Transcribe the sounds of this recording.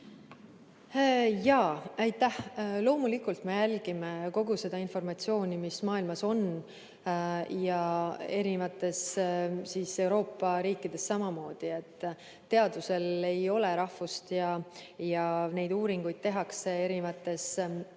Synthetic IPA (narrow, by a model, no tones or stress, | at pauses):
jɑːɑjt̪ːˑæhlo̞ːmulikult̪me̞jælɡ̥imeko̞ɡ̥use̞d̪ɑinfo̞rmɑt̪sio̞ːnʲimismɑːilmɑso̞n | jɑe̞ɾinvɑt̪ːˑe̞ssiːse̞wɾo̞ːpˑːɑɾiːkːˑid̪̥e̞sːɑmɑmo̞ːd̪̥ie̞t̪ˑː | e̞ɑd̪̥use̞le̞jo̞le̞ɾɑhvust̪jɑjɑne̞jd̪uːɾiŋɡ̥ujd̪̚t̪e̞ɦɑksee̞ɾinvɑt̪ːˑe̞s